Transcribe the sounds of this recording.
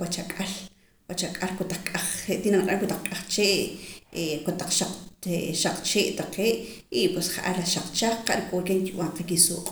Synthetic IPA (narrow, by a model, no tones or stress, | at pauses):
wat͡ʃakʼal | wat͡ʃakʼalkot̪aq͡χkʼaχeʔt̪inakʼaŋkot̪aq͡χkʼaχt͡ʃeːʔekot̪aq͡χʃaq͡χeʃaq͡χt͡ʃeːʔt̪aqeːʔ | ipwesχaʔalaʃaq͡χt͡ʃaχqaʔɾikʼoɾkeŋkiɓw̰ʔaɴqekisuːqʼ